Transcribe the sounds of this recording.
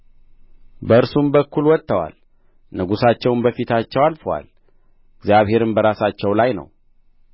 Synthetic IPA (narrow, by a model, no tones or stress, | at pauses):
bəɨɾsumbəkːulwɔt̪ːəwa̰l | nɨɡusat͡ʃːɛwnbəfit̪ʰat͡ʃːɛwalfəwa̰l | ɨɡzjaβhe̞ɾɨmbəɾasat͡ʃːɛwlajnə̰w